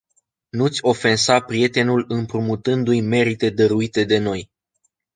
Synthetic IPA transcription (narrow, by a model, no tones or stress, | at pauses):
nut̪sʲo̞fe̞nsapɾije̞t̪e̞nulɨmpɾumut̪ɨnd̪ujme̞ɾit̪e̞d̪əɾuit̪e̞d̪e̞no̞j